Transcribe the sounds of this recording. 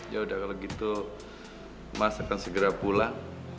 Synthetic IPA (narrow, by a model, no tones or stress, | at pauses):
jaudahkaloɡit̪u | masakansəɡəɾapula